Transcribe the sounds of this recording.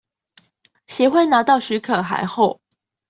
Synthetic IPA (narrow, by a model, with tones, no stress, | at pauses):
ɕjɛ˧˥xwe˥˩ɪna˧˥t̪ɑ˥˩ʊɕy˧˥kʰɤ˨˩xa̰˨˧˦ɪxo˥˨ʊ